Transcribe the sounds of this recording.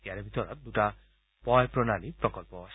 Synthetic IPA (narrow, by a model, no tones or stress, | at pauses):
ijaɾɛbʱit̪ɔɹɔt̪̚d̪uta | pɔjpɹɔnalipɹɔkɔlpɔs